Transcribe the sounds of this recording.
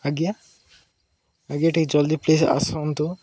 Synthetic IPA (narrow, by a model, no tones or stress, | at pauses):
aɡija | aɡijaʈik̚d͡ʒɔld̪iplesa̰sont̪o